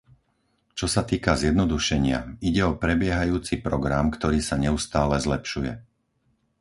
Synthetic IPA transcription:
t͡ʃɔsat̪iːkazjɛd̪nɔd̪uʃɛɲɪa̰iɟɛɔpɾɛbɪɛɦajuːt͡sipɾɔɡɾamkt̪ɔɾiːsaɲɛust̪aːlɛzlɛpʃujɛ̰

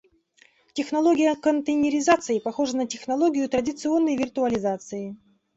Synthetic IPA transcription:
tʲɪxnɐlˠoɡʲɪjəkənt̪ənʲɪɾʲɪzat̪sɨɪpɐxo̞ʐənətʲɪxnɐlˠoɡʲɪjʊt̪ɾədʲɪt̪sɨo̞nːəjvʲɪrt̪ʊɐlʲɪzat̪sɨjɪ

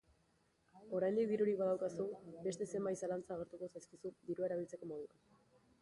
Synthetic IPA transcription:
o̞ɾajnd̪ik̚d̪iɾuɾikβaðawkasube̞st̪e̞se̞mbajsalant͡saːɣ̞e̞ɾt̪uko̞sajskisud̪iɾuaeɾaβ̞ilt͡se̞ko̞mo̞ðua

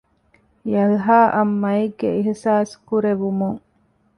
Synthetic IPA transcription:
jɐlɦaːʔɐmːɐiɡːeiɦsaːskuɾeʋumuŋ

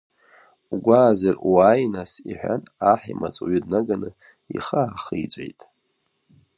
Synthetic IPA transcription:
ɡʷaːzaruajnasiħʷᶣanaħimat͡sʼuɥʏdnaɡanɨ | iχaːχijd͡ʒʷʼḛjtʼ

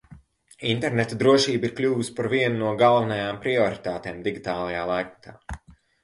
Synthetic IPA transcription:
int̪ɛɾnet̪ad̪ɾuɔʃiːbiɾklʲuːvuspaɾviɛnunuɔɡalˠvɛnajaːmpɾiɔɾit̪aːt̪eːmd̪iɡʲit̪aːlˠɐjaːlˠajk̚t̪aː

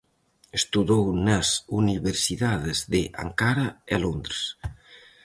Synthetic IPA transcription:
est̪uðownasuniβeɾsiðaðezðeʔa̰ŋkaɾaelond̪ɾes

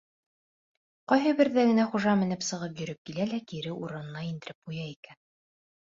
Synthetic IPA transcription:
qɑjɦɤbɘ̆ɾðæɡɘ̆næχuʒɑmɘ̆nɘpsɤ̆ʁɤpjɵ̆ɾɘp̚kilælækiɾɘuɾɤ̆nɤ̆nɑind̪ɘ̆ɾɘp̚ujɑikæn

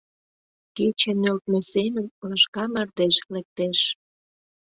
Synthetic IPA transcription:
ket͡ɕenølt̪mesemənləʃkɑmɑrd̪eʃlek̚t̪eʃ

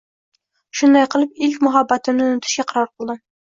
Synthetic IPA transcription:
ʃʊnd̪ɑjqəlˠɪpɪlkʲmʊɦabːat̪ɪnɪʊnɪt̪ʰɪ̥ʃkʲaqʰɑɾɑɾqʰəlˠd̪ɪ

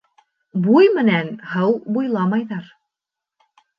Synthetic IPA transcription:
bujmɘ̆nænhɤwbujlˠɑmɑjðɑɾ

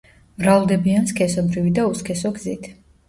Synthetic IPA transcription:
vɾalˠd̪ɛbianskʰɛsɔbɾivid̪auskʰɛsɔɡzit̪ʰ

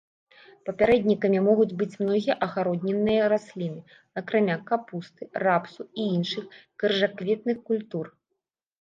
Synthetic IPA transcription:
pɐpʲaɾɛd̪ʲnʲikɐmʲimɔɣud͡zʲbɨt͡sʲmnɔɣʲijɐʔɐxaɾɔd̪ʲnʲɛnːɨjɐɾasʲlʲinɨ | ɐkɾamʲakapust̪ɨrapsuiinʂɨxkɐrʐakvʲɛt̪̚nɨxkulʲt̪ur

